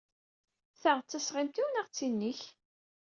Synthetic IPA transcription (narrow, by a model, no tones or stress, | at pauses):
θəʁt͡sːəsʁɪmt̪iwənæʁt͡sːinːiç